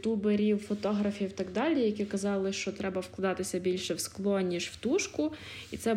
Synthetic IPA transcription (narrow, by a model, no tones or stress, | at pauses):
t̪ubeɾʲiwfɔt̪ɔɦɾɐfʲiwt̪ɑɡd̪ɑlʲijɐkʲikɐzɑlˠɪʃt͡ʃɔt̪ɾɛbɐwklˠɐd̪ɑt̪ɪsʲɐbʲilʲʃɛwsklˠɔnʲːiʒwt̪uʃkʊ | it̪sɛ